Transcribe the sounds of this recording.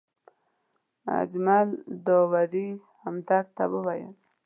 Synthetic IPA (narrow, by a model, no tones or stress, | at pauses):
a̰d͡ʒmald̪owaɾi | hamd̪aɾt̪awəwajə̰l